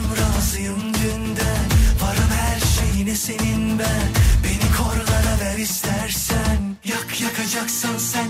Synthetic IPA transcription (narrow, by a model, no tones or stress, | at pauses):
mɾazɯjɯmd̪ønd̪ɛvaɾɯmhæɾʃejinɛse̞ninbænbe̞nikʰoɾlˠaɾavɛɾist̪æɾsæn | jakjakʰad͡ʒaksɯnsæn